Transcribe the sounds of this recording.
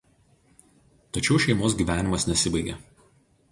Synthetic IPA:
t̪ɐt͡ʃʲɛʊʃʲɛɪmoːs̬ɡʲiːˑʋʲæːnʲɪmɐsnʲɛsʲɪbɐɪɡʲeˑ

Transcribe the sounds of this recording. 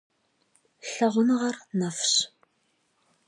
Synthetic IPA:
ɬɐʁʷʊnʁɐrnɐfɕ

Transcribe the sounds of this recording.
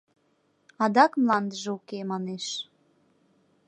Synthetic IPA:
ɑd̪ɑkmlˠɑnd̪əʒəukemɑneʃ

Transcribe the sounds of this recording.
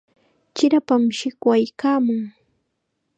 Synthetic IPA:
t͡ʃɪɾapamʃɪkwajkaːmʊŋ

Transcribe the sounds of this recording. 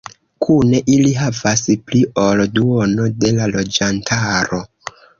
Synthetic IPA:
kʰune̞ʔiliɦavasplio̞lduono̞de̞lalo̞d͡ʒantʰaɾo̞

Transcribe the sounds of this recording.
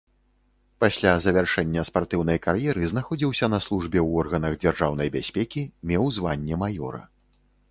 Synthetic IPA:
pasʲlʲazɐvʲarʂɛnʲːɐspart̪ɨwn̪ɐjkarjɛɾɨznaxɔd͡zʲiwsʲɐnɐslˠuʐbʲɛwɔrɣɐnɐɣd͡zʲarʐawnɐjbʲasʲpʲɛkʲimʲɛwzvanʲːɛmajɔ̰ɾɐ̰

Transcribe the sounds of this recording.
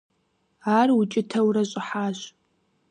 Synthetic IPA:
aːrwʊt͡ʃʼɪtʰɐwɾɐɕʼɪħaːɕ

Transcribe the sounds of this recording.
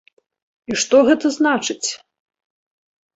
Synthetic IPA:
iʂt̪ɔɣɛt̪ɐznat͡ʂɨt͡sʲ

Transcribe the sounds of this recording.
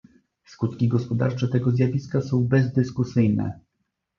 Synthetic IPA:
skut̪kʲiɡɔspɔd̪a̰ɾt͡ʂɛt̪ɛɡɔzʲjavʲiskasɔ̃w̃bɛzd̪ɘskusɘjnɛ̰

